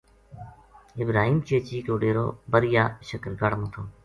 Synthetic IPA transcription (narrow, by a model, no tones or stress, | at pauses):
ɪbɾaːɦiːmt͡ʃiːət͡ʃiːkoːɖeːɾo̰ːbəɾɪjaːʃəkɾɡəɽmot̪ʰoː